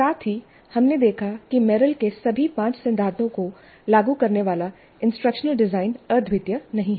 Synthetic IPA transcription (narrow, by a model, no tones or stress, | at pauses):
saːt̪ʰɦi | hɐmned̪eːkʰakimɛːɾəlkesɐbʱipãːt͡ʃsɪ̃nd̪ʱaːt̪õko | laːɡukɐɾneʋaːla | ɪ̃nsʈɾəkʃənəlɖɪzaːɪnɐɾd̪ʱʋɪt̪jənɐɦĩɦɛː